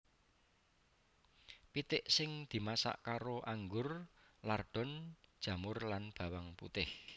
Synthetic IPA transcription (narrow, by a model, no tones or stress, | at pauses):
pit̪ɪʔsɪŋd̪̥i̤masa̰ʔkaɾoʔaŋɡʊrlarɖ̥ɔ̤nd̥ʒ̥ä̤mʊrlanb̥ä̤waŋpṵt̪ɪh